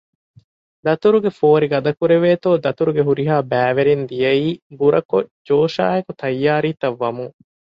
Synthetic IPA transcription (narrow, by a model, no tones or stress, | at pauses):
d̪ɐt̪uɾuɡefoːɾiɡɐd̪ɐkuɾeʋeːt̪oːd̪ɐt̪uɾuɡeɦuɾiɦaːbæːʋeɾend̪ijɐiːbuɾɐkod͡ʒoːʃa̰ːekut̪ɐjːaːɾiːt̪ɐʋːɐmuŋ